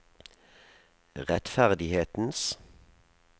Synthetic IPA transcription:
ʁɛt̪fæʁd̪ɪheːt̪n̩s

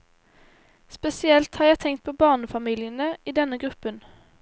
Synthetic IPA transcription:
spɛsɪɛlt̪hɑːʁjæɪt̪ʰɛŋkt̪̚pʰɔbɑːʁnəfɑmiːljənəiːd̪ɛnːəɡɾʉpːən

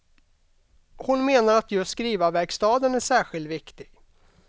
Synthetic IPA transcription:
hʊnmeːnaɾat̪jɵst̪skɾiːvavæɾkst̪ɑːd̪ənæʂæːɧɪlt̪vɪkt̪ɪɡ̥

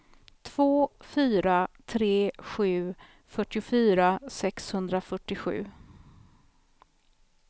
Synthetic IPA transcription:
t̪ʰv̥oːfyːɾat̪ʰɾeːɧʉ̟ː | fœʈːɪʊfyːɾasɛkshɵnd̪ɾafœʈːɪɧʉ̟̰ː

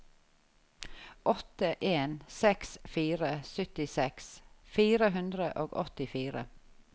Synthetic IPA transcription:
ʔɔt̪əʔeːnsɛksfiːɾəsʏt̪ɪsɛksfiːɾəɦʉnd̪ɾəʔoːɡɔ̰t̪ɪfiːɾə̰

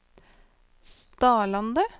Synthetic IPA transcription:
st̪ɑːlɑnd̪ə

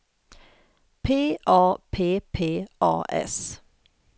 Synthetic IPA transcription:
pʰeːʔɑːpʰeːpʰeːʔɑ̰ːʔɛ̰s

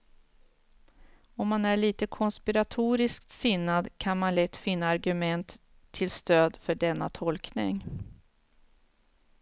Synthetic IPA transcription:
ɔmːanæɭiːt̪əkʰɔnspɪɾat̪ʰuːɾɪskt̪sɪnːad̪kʰanmanlɛt̪ːfɪnːaːɾɡɵmɛnt̪ʰː | ɪlst̪øːd̪fœɖɛnːat̪ʰɔlknɪŋ

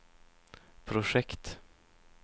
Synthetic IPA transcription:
pʰɾʊʂɛkt̪

